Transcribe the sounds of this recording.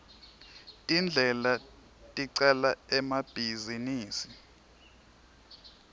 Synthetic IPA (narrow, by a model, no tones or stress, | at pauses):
tʼind͡ɮʱɛla | tʼiǀɛlaɛmab̥ʱiziniːsi̥